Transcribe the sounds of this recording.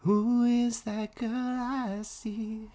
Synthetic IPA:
huɪzðɨt̚ɡ̥ʰəlasi

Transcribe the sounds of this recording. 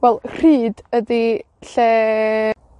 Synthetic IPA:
wɛlˠr̥iːdədi | ɬɛ

